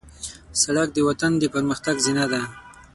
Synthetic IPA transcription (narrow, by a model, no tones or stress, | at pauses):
saɽak̚d̪əwat̪and̪əpəɾməxt̪aɡzinad̪a